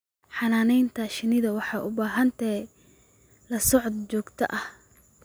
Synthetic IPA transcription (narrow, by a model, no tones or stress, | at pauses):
ħɑnaːnɛjnt̪ʰɐʃɪnɪðɐwɑħɑːʔʊbaːɦɐnt̪ʰɛ | lɐsɔʕd̪t͡ʃɔːɡt̪ʰɐ̰ʔɐh